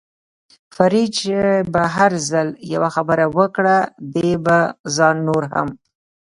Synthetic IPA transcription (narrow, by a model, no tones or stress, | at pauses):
faɾit͡ʃebaɦaɾzalja̰waxabəɾawəkɽad̪ebazɑnːoɾha̰m